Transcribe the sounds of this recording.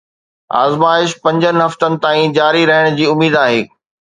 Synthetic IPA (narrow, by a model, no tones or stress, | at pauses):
a̰ːzmaːɪʃpɐ̃ɲd͡ʑənɪ̆ɦɐft̪ənɪ̆t̪aːĩd͡ʑaːɾiɾɐɦəɽ̃d͡ʑiːʊmiːd̪aːɦeː